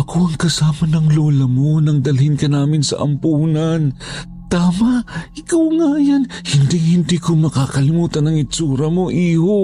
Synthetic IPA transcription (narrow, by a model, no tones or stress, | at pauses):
ʔɐkʰoʔɐŋkɐsaːmɐnɐŋloːlɐmonɐŋd̪ɐlhɪnkɐnaːmɪnsɐ̰ʔɐ̰mpuːnɐn | t̪aːmɐʔʔɪkawŋajanhɪnd̪ɪŋhɪnd̪iːkomɐkaːkɐlɪmuːt̪ɐnɐŋɪt͡ʃuːɾɐmo̞ʔiːho